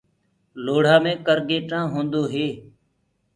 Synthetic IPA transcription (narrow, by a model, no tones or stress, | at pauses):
loːɽ̤ãːmẽːkəɾɡeːʈãːɦõːnd̪oːɦeː